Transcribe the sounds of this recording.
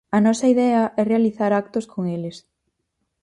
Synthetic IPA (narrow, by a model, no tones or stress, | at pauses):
ɐnɔsɐiðɛɐʔɛrealiθaɾak̚t̪ʊskʰoŋeles